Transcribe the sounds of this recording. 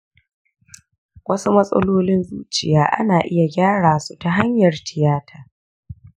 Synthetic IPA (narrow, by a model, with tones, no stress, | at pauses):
wɐ˦su˦mɐ˦sʼɐ̰˦loː˦lɪ˦nzuː˦t͡ʃɪ˨jaː˦ʔa̰˦naː˨ʔɪ˦ja˨ɡʲaː˦ɽaː˨su˦ta˨ɦa˦ɲjɐ˨rtʰɪ˨jaː˦tʰaː˦˨